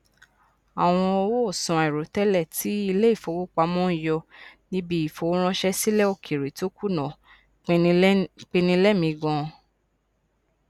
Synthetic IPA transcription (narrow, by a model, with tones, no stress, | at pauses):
a˨w̃ɔ̃˧ɔ˧wo˦o˦˨sɔ̃˨e˨ɾo˨tɛ˦lɛ˦˨ti˨˦i˧le˦i˦˨fo˨˦wo˦k͡pa˧mɔ̃˦˨jɔ˧nĩ˦bi˦i˨fo˨˧wo˦ɾ̃ɔ̃˦ʃɛ˦si˦lɛ˦o˦˧˨kʰi˨ɾi˨to˦ku˦˨nɔ̃˨ | k͡pk͡pe˧nĩ˧˦lɛ˦mĩ˧ɡɔ̃˧